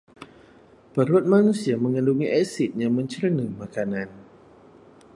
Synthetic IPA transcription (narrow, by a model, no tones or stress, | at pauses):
pəɾuat̪̚manusiaməŋənduŋiʔɛsit̪̚jaŋmə̃ɲt͡ʃərənəmakanan